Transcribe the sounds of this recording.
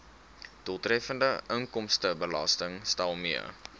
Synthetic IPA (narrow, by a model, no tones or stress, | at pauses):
d̥ulˠtɾɛfəndəʔəŋkɔmstəbəlɑstəŋstælˠmiə̰